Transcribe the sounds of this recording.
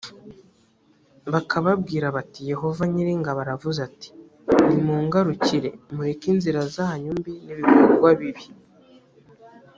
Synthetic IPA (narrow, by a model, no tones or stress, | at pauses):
βakʰaβabɡiːɾaβatije̞ho̞vaɲiɾiŋɡaβaɾavuzati̥ | nimuːŋɡaɾuciɾe̞muɾekinziɾazahaɲumbiniβikoɾɡwaβiβi